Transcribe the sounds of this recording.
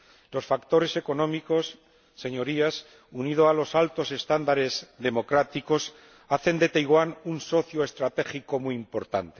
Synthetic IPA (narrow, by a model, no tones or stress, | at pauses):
lo̞sfakt̪o̞ɾe̞seko̞nõ̞miko̞sː | e̞ɲo̞ɾias | unið̞oalo̞salt̪o̞se̞st̪and̪aɾe̞zðe̞mo̞kɾat̪iko̞s | aθe̞nd̪e̞t̪ajɣwanunso̞θjoe̞st̪ɾat̪e̞xiko̞muimpo̞ɾt̪ant̪e